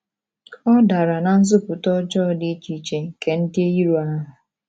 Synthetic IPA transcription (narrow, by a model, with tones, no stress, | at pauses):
ɔ˦da˨ɾa˨na˨n̩˦zʊ˦pʊ˨tɔ˦d͡ʒɔː˦˨dɪ˦t͡ʃi˨t͡ʃe˨ke˨n̩˦dɪ˦e˦ji˦ɾu˨a˦ɦʊ˨